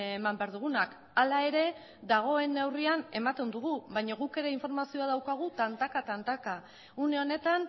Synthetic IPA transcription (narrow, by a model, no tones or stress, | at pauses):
mambe̞aɾðuɣ̞unak | alae̞ɾe̞ | ðaɣ̞o̞e̞newriane̞mat̪e̞nd̪uɣ̞uβajɲaɣuke̞ɾe̞iɱfo̞ɾmasio̞aðawkaɣ̞ut̪ant̪akat̪ant̪aka | une̞o̞ne̞t̪an